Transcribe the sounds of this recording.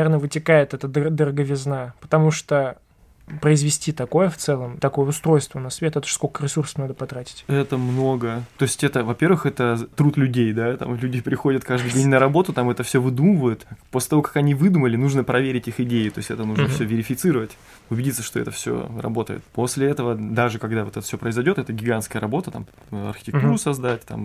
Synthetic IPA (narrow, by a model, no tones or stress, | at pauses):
ernəvɨtʲɪkajɪt̪ɛt̪əd̪d̪əɾəɡəvʲɪznapə̥t̪ɐmuʂt̪o | pɾəɪzvʲɪsʲtʲit̪ɐko̞jəft̪sɛlˠəmt̪ɐkojəʊst̪ɾo̞jst̪vənɐsvʲet̪ɛt̪ə̥ʂsko̞kəɾʲɪsursə̥fnad̪əpɐt̪ɾatʲɪ̥tʲɛt̪əmnoɡət̪o̞ɪsʲtʲɛt̪əvɐpʲe̞rvɨxɛt̪ət̪ɾut̪lʲʉdʲejd̪at̪a̰mlʲʉdʲɪpɾʲɪxo̞dʲət̪kaʐd̪ɨjdʲenʲnəɾɐbo̞t̪ʊt̪amɛt̪əfsʲɵvɨd̪uməvəjɪt̪posʲlʲɪt̪ɐvokɐ̥kɐnʲivɨd̪uməlʲɪnuʐnəpɾɐvʲeɾʲɪtʲixɪdʲejɪt̪o̞ɪsʲtʲɛ̰t̪ənuʐnəfssʲɵvʲɪɾʲɪfʲɪt̪sɨɾəvətʲ | ʊbʲɪdʲit̪səʂt̪o̞ɛ̰t̪əfsʲo̰rɐ̰bo̞t̪ə̰jɪ̰t̪po̞sʲlʲɪɛt̪əvəd̪aʐɨkɐɡd̪avot̪ɛt̪ə̥fsʲopɾəɪzɐjdʲo̞t̪ɛt̪əɡʲɪɡanskəjəɾɐbo̞t̪ət̪a̰m | ɐ̰rxʲɪ̥tʲɪkt̪uɾʊsɐzd̪atʲt̪a̰m